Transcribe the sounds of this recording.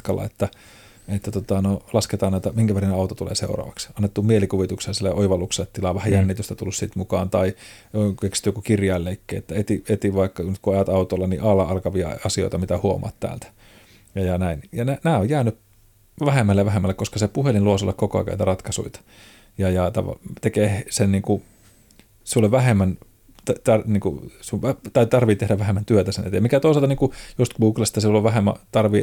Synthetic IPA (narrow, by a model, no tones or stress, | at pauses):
kɑlːʔɑ̰et̪ːæ | et̪ːæt̪ot̪ɑnolɑsket̪ɑːnæˑt̪æmiŋkæʋerineɑut̪ot̪ulḛːsḛurɑ̰ːʋɑksɑnːet̪ːumielikuʋit̪ukselːsilːeʔoiʋɑlːukselːet̪ːilɑʋæhæjænːit̪yst̪æt̪ulːussit̪mukɑːnt̪ɑiokeksi̥t̪yjokukirjɑilːeikːḛːet̪ːæet̪iet̪iʋɑikːɑnyt̪kuɑjɑt̪ɑut̪oilːɑnḭʔɑlːɑɑlkɑʋiɑ̰ɑsio̰it̪ɑmit̪æhuomɑ̰ːt̪t̪æ̰ːlt̪æ̥ | jɑjɑnæinjɑnænæːojjæːnyp | ʋæhemːælːeʋæɦemːælːekoskɑsepuhelinluosolːɑkokoɑ̰kæ̰ynt̪rɑt̪kɑsṵit̪ɑ̥ | jɑjɑt̪ɑ̰ʋɑ̰t̪ekeːsenniːŋku | sulːoʋʋæhemːæn | t̪t̪ɑrniːŋkṵsuʋæt̪ɑt̪ɑrʋit̪ehɾæʋæhemːænt̪yøt̪æsenḛt̪emikæt̪oˑisɑlt̪ɑniŋkujost̪ɡuːklɑst̪ɑsiulːoʋʋæhemːæ̰t̪ɑrʋi